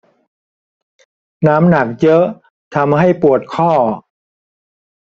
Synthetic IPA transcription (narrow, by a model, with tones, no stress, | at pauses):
naː˦˥mna˨˩k̚jɤ˦˥ʔ | t̪ʰa˧mɦa˥˩jpu˨˩ət̪̚kʰɔː˥˩